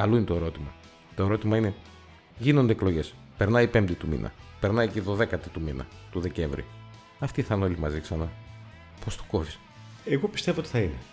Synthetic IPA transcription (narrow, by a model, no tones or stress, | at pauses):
ɐlo̞inet̪oe̞ɾo̞t̪imɐ | t̪oe̞ɾo̞t̪imɐine̞ | ʝino̞nd̪eeklo̞ʝe̞s | pe̞ɾnɐipe̞mbd̪it̪umḭnʔɐ̰pe̞ɾnɐjceðo̞ðe̞kɐt̪it̪uminɐ̰t̪uðe̞ce̞ɱvɾḭ | ɐft̪iθɐno̞limɐziksɐnɐ | po̞st̪u̥ko̞θi̥s | eɣo̞pi̥st̪e̞voot̪i̥θɐine